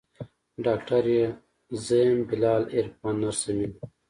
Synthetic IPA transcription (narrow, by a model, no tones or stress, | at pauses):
ɖaːkʈɐɾje | zɐmbilaːliɾpanːɐɾsɐmin